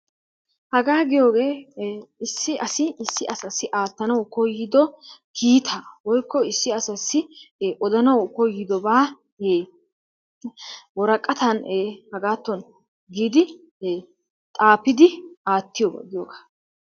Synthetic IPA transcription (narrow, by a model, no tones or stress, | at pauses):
hɐɡaːɡɪjo̞ːɡe̞ː | ɪsːɪʔɐsɪɪsːɪʔɐsɐsːɪʔaːt̪ːɐnɐwkɔjːɪd̪ɔkʰiːt̪ʰaːwɔjkːɔɪsːɪɐsɐsːɪːʔɔd̪ɐnɐwkɔjːɪd̪ɔbaː | eː | wɔɾɐkʼːɐt̪ɐneːhɐɡaːt̪ːɔn | ɡiːd̪ɪː | t̪ʼaːpɪd̪ɪaːt̪ːɪjɔba̰ɡɪjoːɡḁː